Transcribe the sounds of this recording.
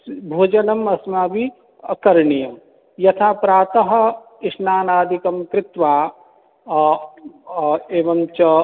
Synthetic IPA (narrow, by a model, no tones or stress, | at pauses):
bʱuːd͡ʒɐnɐmɐsmaːbi | ɐkɐɾɳijɐm | jɐt̪ʰaːpɾaːt̪ɐɦɐ̆ | ɪʂnaːnaːd̪ʱikɐmkɾɪt̪ʋaː | eːʋɐmt͡ʃɐ